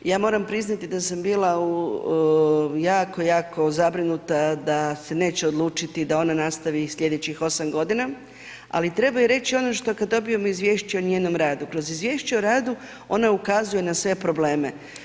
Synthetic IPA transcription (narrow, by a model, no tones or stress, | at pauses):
jaːmo̞ːɾampɾiznat̪id̪asambiːlˠau | jaːko̞jaːko̞zabɾinut̪ad̪ase̞ne̞ːt͡ɕeod̪lˠuːt͡ʃit̪id̪ao̞nanast̪aʋisʎʲe̞d̪e̞t͡ɕixo̞samɡo̞d̪ina | a̰lit̪ɾe̞bajiɾe̞t͡ɕio̞no̞ʃt̪o̞kad̪d̪ːo̞bijomoizʋjeːʃt͡ɕeoɲjeːno̞mɾaːd̪ukɾo̞zizʋje̞ːʃt͡ɕeoɾaːd̪u | o̞̰naukazuje̞nasʋe̞pɾo̞ble̞ːme̞